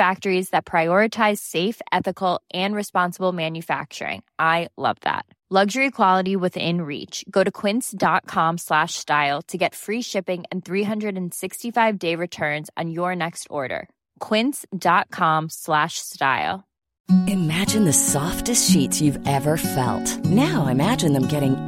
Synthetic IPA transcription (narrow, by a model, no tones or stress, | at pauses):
fæk̚tə˞izðɨt̚pʰɹ̥aɪɔɹɨtʰaɪz̥seɪfɛθɨkl̩ˠʔɨ̃nɹɨspɑ̃nsəbl̩ˠmæ̃njɨfæ̰k̚t͡ʃə̰˞ɪ̰̃ŋʔaɪlʌ̰vðæ̰t̚ | lʌɡʒə˞ikʰw̥ɑlˠəɾiwɪðɪ̰̃nɹḭt͡ʃɡ̥oʊɾɨkʰw̥ɪ̃nsd̥ɑt̚kʰɑ̃mslæʃstaɪlˠtʰɨɡɛtfɹiʃɪpɪ̃ŋɨ̃nθɹiɦʌ̃ndɹɨɾɨ̃n̩sɪkstifaɪvdeɪɹɨtʰɜ̃˞nz̃n̩jə˞nɛkstɔ̰ɹɾə̰˞ | kʰw̥ɪ̃nsd̥ɑt̚kʰɑ̃mslæʃsta̰ɪlˠ | ɨmæd͡ʒɨ̃nðɨsɔftɨstʃitsjʉvɛvə˞fɛ̰lˠtnaʊaɪɨmæd͡ʒɨ̃nðə̃mɡɛɾɪ̃ŋ